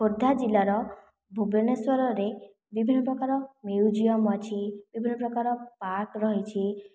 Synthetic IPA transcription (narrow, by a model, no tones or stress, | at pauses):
oɾd̪ʱad͡ʒilaɾɔ | bʱubeneswɔɾɔɾe | bibʱinːɔp̬ɾɔkaɾɔmiud͡ʒijɔmɔt͡ʃʰibibʱinːɔpɾɔkaɾɔpaɾkɾɔɦit͡ʃʰi